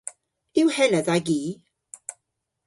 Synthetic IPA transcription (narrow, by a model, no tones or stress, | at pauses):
ɪwhɛnəðaɡiː